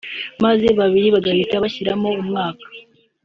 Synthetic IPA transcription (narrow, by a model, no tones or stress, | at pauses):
maze̞βaβiɾiβaɡahitaβaçiɾamo̞umŋaːkḁ